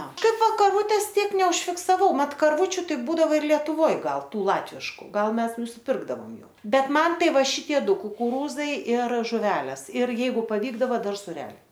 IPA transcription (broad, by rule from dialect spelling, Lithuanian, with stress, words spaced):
ˈnɐ ˈkɐɪp ˈʋɐ kɐrˈʋuːtʲeːs ˈtʲiɛk nʲɛʊʃʲfʲɪksɐˈʋɐʊ ˈmɐt kɐrˈʋuːt͡ʃʲʊ ˈtɐɪ ˈbuːdɐʋoː ɪr lʲiɛtʊˈʋoːj ˈɡɐlˠ ˈtuː ˈlˠɑːtʲʋʲɪʃkʊ ˈɡɐlˠ ˈmʲɛs nʊsʲɪˈpʲɪrɡdɐʋoːm ˈjuː ˈbʲɛt ˈmɐn ˈtɐɪ ˈʋɐ ˈʃʲɪtʲiɛ ˈdʊ kʊkʊˈruːzɐɪ ɪr ʒʊˈʋʲæːlʲeːs ɪr ˈjɛɪɡʊ pɐˈʋʲiːɡdɐʋɐ ˈdɐr sʊˈrʲæːlʲɛɪ